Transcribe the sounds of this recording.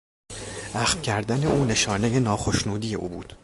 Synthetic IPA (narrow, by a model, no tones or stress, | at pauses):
ʔæxfcʰæɾd̪æne̞ʔuːne̞ʃɒːne̞je̞nɒːxo̞ʃnuːd̪iːje̞ʔuːbuːd̪̥